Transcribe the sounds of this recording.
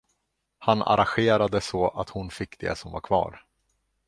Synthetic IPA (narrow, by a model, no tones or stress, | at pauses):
hana̰ɾanɧeːɾad̪əsɔʔat̪hʊnfɪkːd̪̥ḛːsɔmva̰ɾkʰvɑ̰ːɾ